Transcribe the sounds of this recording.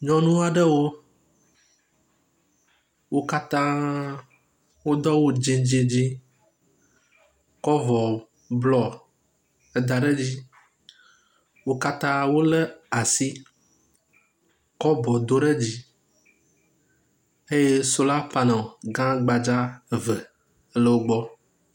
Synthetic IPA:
ɲɔ̃˨nũ˦a˨ɖə˦wo˦ | wo˦ka˦t̪ã˦ | wo˦d̪ɔ˦wo˦d͡ʒĩ˨d͡ʒe˦d͡ʑi˦ | kɔ˦vɔ˨ | blɔ˨ | ə˨d̪a˨ɖɛ˦d͡ʑi˦ | wo˦ka˦t̪ã˦wo˦le˦a˨si˦ | kɔ˦bɔ˨d̪o˦ɖe˦d͡ʑi˦ | e˦je˦so˦la˦pa˨nã˨ɡã˦ɡ͡ba˨d͡ʒa˦˨və˨˦ | lə˦wo˦ɡ͡bɔ˦

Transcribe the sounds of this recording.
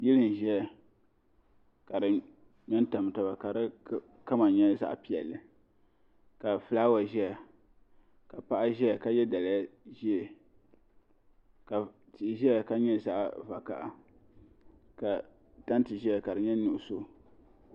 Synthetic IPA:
jɪ˦lɨ˨n˨ʒɛ˦ɛ˨ | ka˨dɨ˨ | mɛ˦n˦ta˨m˨ta˨ba˨ka˨ɾɨ˦ | ka˦ma˨ɲɛ˦za̰˦ʔpi˨ɛ̰˨lːɨ˨ | ka˨fɨ˨laː˦wa˨ʒɛ˦ɛ˨ | ka˨pa˦ʔa˦ʒɛ˦ɛ˨ka˦jɛ˦da˨lʒi˦ɛ˨ | ka˨ | ti˨ʔʒɛ˦ɛ˨ka˦ɲɛ˦za˦ʔva˨ka̰˦˨ʔa˨ | ka˨ | ta˦n˦tɨ˨ʒi˦ɛ˨ka˨ɾɨ˨ɲɛ˦nʊ˨ʔso˦

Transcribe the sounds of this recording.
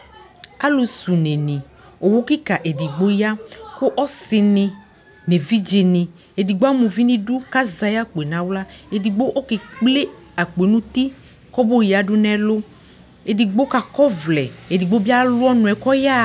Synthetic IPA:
a˦lo˨su˨ne˨nĩ˨ | o˨wo˦ki˦ka˨ʔe˨di˨ɡ͡bo˦ja˦ko˦ʔɔ˦sɪ˨nɪ̃˨ | me˨vi˦d͡ʒe˨nɪ̃˨ | e˨di˨ɡ͡bo˦a˦mũ˨vi˦nĩ˦ɖu˦ka˦za˨ja˦k͡pe˨nã˨˦wla˦e˨di˨ɡ͡bo˦ʔɔ˦ke˨k͡ple˦ | a˨k͡pe˨˦nũ˦t̪i˦ | kɔ˦bo˦ja˨ɖʊ˦nɛ̃˦lo˦ | e˨di˨ɡ͡bo˦ka˨kɔ˦vlɛ˨e˨di˨ɡ͡bo˦bi˦a˦lʊ˦ɔ˦nʊ̃˨ɛ˨kɔ˦ja˦

